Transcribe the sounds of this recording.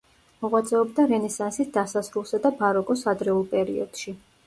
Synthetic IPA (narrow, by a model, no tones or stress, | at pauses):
mɔʁwat̪sʼɛɔbd̪aɾɛnɛsansisd̪asasɾulˠsad̪abaɾɔkʼɔsad̪ɾɛulˠpʼɛɾḭɔ̰d̪̥ʃi